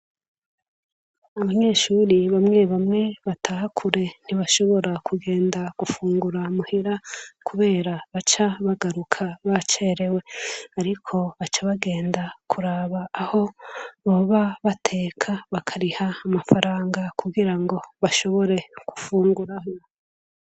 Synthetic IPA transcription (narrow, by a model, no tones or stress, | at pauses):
aβaɲe̞ʃuɾiβamŋe̞βamŋe̞βatʰaːhakʰuɾe̞n̥iβaʃo̞βo̞ɾakʰuɡe̞ːndaɡ̥ufuːŋɡuɾamuhiɾakʰuβe̞ːɾaβat͡ʃaβaɡaɾukʰaβat͡ʃeɾe̞we̞aɾikʰo̞βat͡ʃaβaɡe̞ːndakʰuɾaβaːho̞βoβaβatʰe̞ːkʰaβakʰaɾihaːmafaɾaːŋɡakʰuɡiɾaŋɡo̞βaʃo̞βo̞ɾe̞ku̥fuːŋɡuɾaho